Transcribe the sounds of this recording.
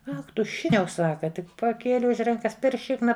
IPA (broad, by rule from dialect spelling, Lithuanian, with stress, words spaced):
ˈɐx ˈtʊ ˈʃʲɪknʲɛʊ ˈsɑːkɐ ˈtʲɪk pɐˈkʲeːlʲɪ ʊʃ ˈrɐŋkɐs pʲɛr ˈʃʲɪknɐ